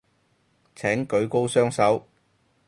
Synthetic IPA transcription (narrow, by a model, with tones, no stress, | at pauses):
t͡sʰɛː˨˥ŋkɵ˨˥ɥko˥wsœː˥ŋsɐ˨˥w